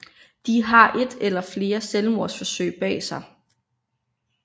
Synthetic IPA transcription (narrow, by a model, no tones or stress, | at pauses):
d̥iɦɑ̈ʔe̝d̥elɐfle̝ːɐselmoɐsfɒ̽søɪ̰b̥ɛ̰ːsɑ̈ɪ